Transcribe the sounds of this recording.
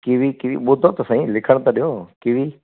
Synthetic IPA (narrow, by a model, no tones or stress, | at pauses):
kiʋikiʋiɓʊd̪ʱot̪sãĩːlɪkʰəɽ̃t̪aɗijoːkɪʋiː